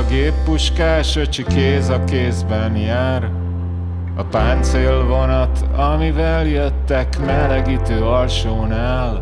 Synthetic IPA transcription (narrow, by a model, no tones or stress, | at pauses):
ɡeːpːuʃkaːʃøt͡ʃikeːzɒkeːzbɛnjaːɾ | ɒpaːnt̪seːlvo̞nɒt̪ɒmivɛljøt̪ːɛkmɛlɛɡiːt̪øːɒlʃoːnaːl